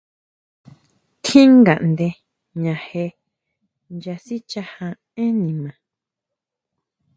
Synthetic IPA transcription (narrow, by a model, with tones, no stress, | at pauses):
k̪ʰĩ˦ŋɡa̰˨ʔnd̪e˧ | ɲã˨he˧ | nd͡ʒa˧si˦t͡ʃa˧hã˧ | ẽ˦nĩ˨mã˨